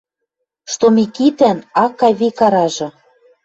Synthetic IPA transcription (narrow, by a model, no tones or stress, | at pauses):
ʃt̪omikit̪ænɑkɑβikɑɾɑʒɤ̆